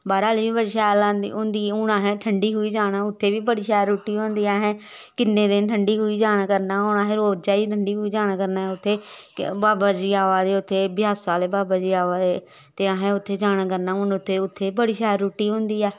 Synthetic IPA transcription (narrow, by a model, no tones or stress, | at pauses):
baːɾaːliːbiːbəɾʃaːlãːnd̪ḭːʊːnd̪iːʊɽãːɦɛ̃ːʈʰəɳɖiːɦʊiːd͡ʒaːɽaːʊt̪ʰːeːʋiːbəɽiːʃɛːɾːuːʈiːõːnd̪iːaːɦɛ̃ː | kɪnːẽːd̪ɪnʈʰəɳɖiːɦʊiːd͡ʒaːñakəɾnaːoñaːɦɛːɾoːd͡ʒaːiːʈʰəɳɖiːɦʊiːd͡ʒaːɽ̃aːkəɾnaːɛːʊt̪ʰːeː | baːbaːd͡ʒiːaːʋaːd̪eːʊt̪ʰːeːbɪjaːsaːleːbaːbaːd͡ʒiːaːʋaːe | t̪eːaɦɛ̃ːʊt̪ʰːeːd͡ʒaːɽ̃aːkəɾnaːʊnʊt̪ʰːeːʊt̪ʰːeːbəɽiːʃɛːɾːuːʈiːɦõːnd̪iːɛː